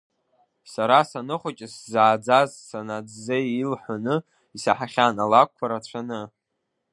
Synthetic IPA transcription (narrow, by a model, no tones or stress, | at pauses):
saɾasanɨχʷat͡ʃʲʼɪszaːd͡zazsanad͡zzeilħʷanɨ | isaħaχʲanalak̚ʷʰːaɾat͡ɕʷʰanɨ